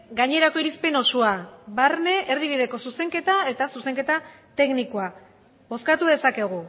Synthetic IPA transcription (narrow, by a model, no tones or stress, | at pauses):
ɡaɲe̞ɾako̞iɾispe̞no̞suaβaɾne̞ʔeɾðiβ̞iðe̞ko̞suse̞ŋke̞t̪ae̞t̪asuse̞ŋke̞t̪a | t̪e̞knikoa | βo̞skat̪uðe̞sake̞ɣ̞u